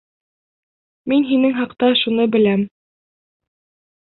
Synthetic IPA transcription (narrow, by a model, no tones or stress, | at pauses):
minɦinɘŋɦɑqt̪ɑʃunɤbɘ̆læm